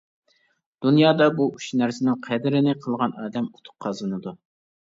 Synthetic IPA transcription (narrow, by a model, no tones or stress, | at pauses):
d̪̥unjɑːd̪ɑbuuʃnæɾsɪnɪŋqʰɛd̪ɪɾɪnɪqʰəlˠʁɑnɑːd̪ɛmut̪ʰʊ̥q̚qʰːɑzˠɨnɨd̪u